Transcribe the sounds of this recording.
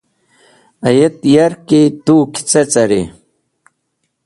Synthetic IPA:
ɐjet̪jɐɾket̪uːkʰi̥t͡sɐt͡sɐɾi

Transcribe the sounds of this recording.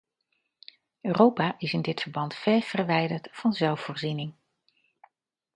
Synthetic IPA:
øːrowpaːʔɪsɪndɪtfəɹbɑntfɛːv̥ərʋɛjdəɹtfɑnzɛlˠfoːɹzinɪŋ

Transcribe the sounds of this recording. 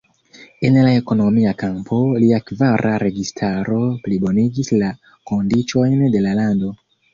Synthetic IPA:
e̞nlae̞ko̞no̞miakampʰo̞liakvaɾʔaɾe̞ɡistʰaɾo̞plibo̞niɡisla | ko̞ndit͡ʃo̞jnde̞lalando̞

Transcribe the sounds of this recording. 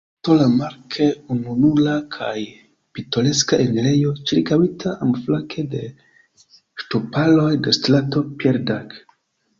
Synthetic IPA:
tolamaɾkʰe̞ununulakʰaj | pito̞le̞skaʔenilejo̞t͡ʃiɾkawitʰaʔamflakʰe̞de̞ | ʃtopalo̞jdestɾato̞pieɾdak

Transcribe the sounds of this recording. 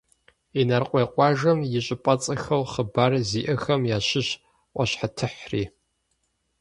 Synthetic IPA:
inɐrqʷʼeːqʷʼɑːʒɐmjɪɕʼɪpʼɐt͡sʼɐxɐwχəbaːrziːʔɐxɐmjaːɕɪɕ | qʷɐɕħatʰɨħrḭː

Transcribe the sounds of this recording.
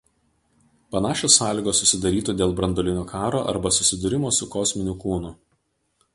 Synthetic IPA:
pɐnɑːʃʲoːsːɑːlʲiːɡoːsːʊsʲɪd̪ɐɾʲiːt̪ud̪ʲeːlˠbɾɐnd̪ɔlʲɪnʲoːkʰɑːɾoːʔɐ̰ɾbɐsʊsʲɪd̪ʊɾʲɪmoːsʊkɔsʲmʲɪnʲʊkuːnʊ

